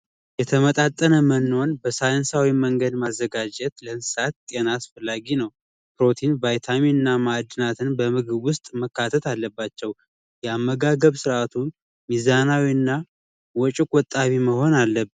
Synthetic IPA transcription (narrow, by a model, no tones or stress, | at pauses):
jɛt̪ʰəmət̪ʼat̪ʼːənəmənːo̞nbəsajnsawiməŋɡəd̪mazːəɡad͡ʒɛt̪ləɨnsat̪̚t̪ʼenaːsfəlːaɡinəw | pɾo̞t̪ʰinvajt̪ʰamiɨnːamad̪ɨnat̪ʰɨnbəmɨɡɨβwʊst̪ʼməkːat̪ʰət̪alːəbːat͡ʃːɛw | jɛamːəɡaɡəβsɨɾʔat̪ʰu | mizanawiɨnːa | wɔt͡ʃʼɪkʼwɔt̪ʼːaβiməho̞nalːəb